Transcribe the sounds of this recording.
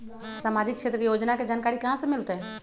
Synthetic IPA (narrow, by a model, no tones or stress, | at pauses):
samad͡ʒikʃʰet̪ɾəkejod͡ʒnaked͡ʒankaɾikɐɦãsemɪlt̪eɦɛ